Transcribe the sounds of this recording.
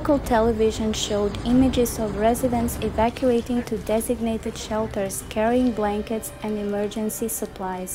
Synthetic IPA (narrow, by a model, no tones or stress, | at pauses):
kəlˠtʰɛlˠəvɪʒə̃nʃoʊdɪ̃mɪd͡ʒɪzɔvɹɛzɪdə̃nsɪvækʰjueɪtɪ̃ŋtʰudɛzɪɡneɪtɨd̥ʃɛlˠtə˞z̥kʰɛɹiɪ̃ŋblæ̃ŋkɨtsɛ̃ndɨmɜ˞d͡ʒɨ̃nsisəpʰl̥aɪz̥